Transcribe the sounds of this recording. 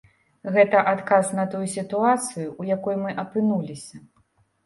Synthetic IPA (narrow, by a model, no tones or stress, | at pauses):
ɣɛt̪ɐʔat̪kasnɐt̪ujusʲit̪uat̪sɨjuːjakɔjumɨʔɐpɨnulʲisʲɐ